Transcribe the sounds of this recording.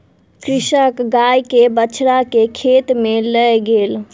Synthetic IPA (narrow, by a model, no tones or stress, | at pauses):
kɾiʃəkɡajkebət͡ʃʰɾakekʰet̪meləjɡel